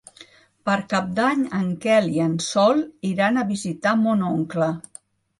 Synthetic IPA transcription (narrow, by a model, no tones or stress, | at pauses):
pəɾkap̚d̪aɲəŋkɛliənsɔlˠiɾanəβizit̪amonoŋklə